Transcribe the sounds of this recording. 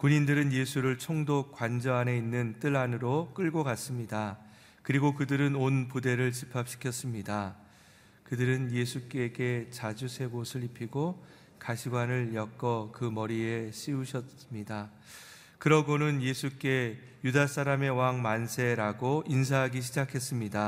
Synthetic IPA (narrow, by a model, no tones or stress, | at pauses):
kuɲindɯɾɯnje̞sʰuɾɯɭt͡ɕʰoŋdok͈wand͡ʑʌɦane̞inːɯnt͈ɯɭanɯɾok͈ɯɭɡokas͈ɯmɲida | kɯɾiɡokɯdɯɾɯnonpude̞ɾɯɭt͡ɕipʰap̚ɕʰi̥kʰjʌs͈ɯmɲida | kɯdɯɾɯnje̞sʰuk͈e̞ɡe̞t͡ɕad͡ʑusʰe̞ɡosʰɯɭipʰiɡo | kaɕʰiɡwanɯɭjʌk͈ʌkɯmʌɾieɕ͈iuɕʰʌɯmɲida | kɯɾʌɡonɯnje̞sʰuk͈e̞ | judas͈aɾame̞waŋmansʰe̞ɾaɡoins̬ʰaɦaɡiɕ̬ʰid͡ʑakʰe̞s͈ɯmɲida